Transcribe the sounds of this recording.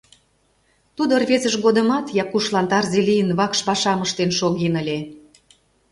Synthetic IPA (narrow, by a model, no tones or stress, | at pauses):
t̪ud̪orβezə̆ʃɣod̪ə̆mɑt̪jɑkuʃlɑnt̪ɑrzelʲijənβɑkʃpɑʃɑməʃt̪enʃoɣenə̆lʲe